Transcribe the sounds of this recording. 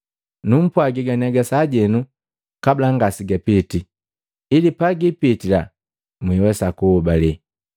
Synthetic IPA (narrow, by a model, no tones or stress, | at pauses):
num̩pwaɡiɡanɛɡasaɟɛnu | kablaŋɡasiɡapiti | ilipaɡipitila | mwiwɛsakuhːbalɛ